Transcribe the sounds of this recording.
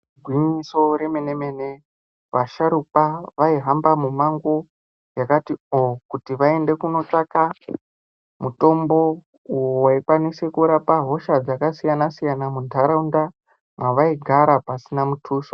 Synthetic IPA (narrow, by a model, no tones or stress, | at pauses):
ɡʱwiɲiso̞ɾeme̞neme̞ne | ʋaʃaɾupaʋaiɦambamumaŋɡo̞ | jakatiokutiʋae̞nde̞kuno̞t͡ʂaka | muto̞mbo̞ | ujowaikwanise̞kuɾapaɦo̞ʃad͡zakasijanasijanamuntaɾaunda | mwaʋaiɡʱaɾapasinamutʰuːʃo